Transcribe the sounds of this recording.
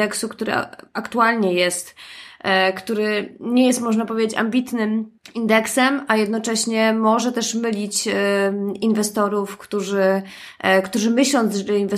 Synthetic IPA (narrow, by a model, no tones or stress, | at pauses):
ɛksukt̪uɾɛ̰akt̪ualɲɛjɛst̪ | kt̪uɾɘɲɛjɛst̪mɔʐnapɔvʲed͡ʑet͡ɕa̰mbʲit̪nɘmind̪ɛksɛmajɛd̪nɔt͡ʂɛɕɲɛmɔʐɛt̪ɛʂmɘlʲit͡ɕ | invɛst̪ɔɾufkt̪uʐɘ | kt̪uʐɘmɘɕlɔnʐɛdɛinvɛ